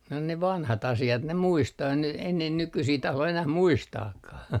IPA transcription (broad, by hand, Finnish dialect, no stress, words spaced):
no ne ʋɑnhɑt ɑsiɑt ne muistɑː ei ne ei ne nykysiː tɑhlo enæh muistɑːkːɑh